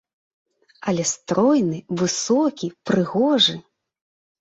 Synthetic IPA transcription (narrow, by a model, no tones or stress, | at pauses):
ɐlʲɛst̪ɾɔjnɨvɨsɔkʲipɾɨɣɔʐɨ